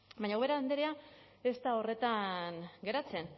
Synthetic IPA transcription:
baɲaweɾaːnd̪eɾea | e̞st̪ao̞re̞t̪anɡe̞ɾat͡se̞n

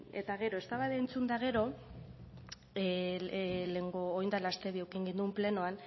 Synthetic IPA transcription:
e̞t̪aɣe̞ɾo̞e̞st̪aβaðeːnt͡sund̪aɣ̞e̞ɾo̞ | le̞ŋɡo̞ːjnd̪alast̪e̞βiowkiŋɡind̪umple̞noan

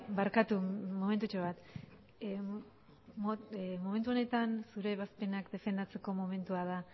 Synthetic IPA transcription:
baɾkat̪umo̞ment̪ut͡ʃoβat̪ | omo̞me̞nt̪̬uone̞t̪ansuɾe̞βaspe̞nakd̪e̞fe̞nd̪at͡se̞ko̞mo̞me̞nt̪uaða

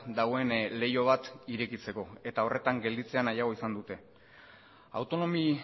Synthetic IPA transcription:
d̪aɣo̞e̞nle̞jo̞β̞at̪iɾe̞kit͡se̞ko̞e̞t̪ao̞rʔe̞t̪aŋɡe̞ld̪it͡se̞anajaɣ̞o̞isand̪ut̪e̞ | a̰wt̪o̞no̞mi

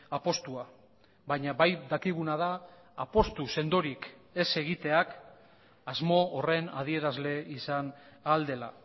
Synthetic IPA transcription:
apo̞st̪ua | βaɲaβajd̪akiɣ̞unað̞aː | po̞st̪use̞nd̪o̞ɾike̞se̞ɣit̪e̞ak | azmo̞ːre̞na̰ð̞ie̞ɾazle̞isanald̪e̞la̰

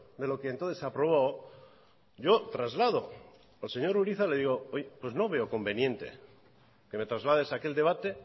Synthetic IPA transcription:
d̪e̞lo̞keːnt̪oθesapɾo̞β̞aw | ɟ͡ʝo̞t̪ɾazlað̞o̞ | alse̞ɲo̞ɾuɾiθale̞ðiɣo̞ojepwe̞zno̞βe̞oko̞mbe̞njẽ̞nt̪e̞̰ | ke̞me̞t̪ɾazlað̞e̞sake̞ld̪e̞β̞at̪e̞

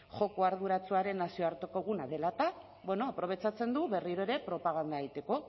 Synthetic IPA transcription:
xo̞koaɾð̞uɾat͡suaɾe̞nːasio̞aɾt̪o̞ko̞ɣ̞unaðe̞lat̪a | bwe̞no̞apɾo̞β̞e̞t͡ʃat͡se̞nd̪uβe̞riɾo̞e̞ɾe̞pɾo̞paɣ̞and̪ait̪e̞ko̞

